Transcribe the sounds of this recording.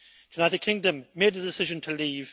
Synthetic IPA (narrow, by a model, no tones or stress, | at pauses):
junaɪɾɨd̚kʰɪ̃ŋdə̃mːeɪd̪̚ðədɪsɪʒə̃ntʰəliːv̥